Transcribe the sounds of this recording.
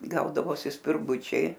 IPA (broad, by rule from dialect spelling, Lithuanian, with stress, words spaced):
ˈɡɐʊdɐʋoːsʲɪ sʲpʲɪrˈɡʊt͡ʃʲɛɪ